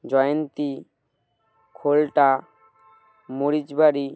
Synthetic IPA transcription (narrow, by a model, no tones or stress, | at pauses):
d͡ʑɔjont̪i | kʰolʈa | moɾid͡ʒbaɾi